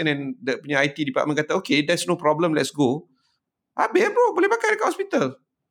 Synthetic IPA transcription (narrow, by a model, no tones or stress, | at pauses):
ənɛ̃ndəpuɲaajt̪idipa̰ʔmə̃nkat̪aokedɛtsnopɾɔbləmlɛtsɡo | ʔabepobolɛhbakadəkatʔhɔspit̪al